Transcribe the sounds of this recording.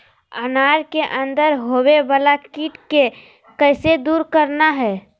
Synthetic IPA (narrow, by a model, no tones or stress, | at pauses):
ənaːɾkeʔə̃nd̪əɾɦowebaːlakiːʈke | kəːsed̪uːɾkəɾnaɦɛː